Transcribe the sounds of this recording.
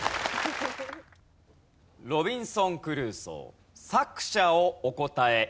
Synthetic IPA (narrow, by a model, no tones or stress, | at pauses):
ɾo̞bʲĩɰ̃sõ̞ŋkɯ̟ɾɯ̟ːso̰ | sakɯ̟̥ɕaooko̞t̪ae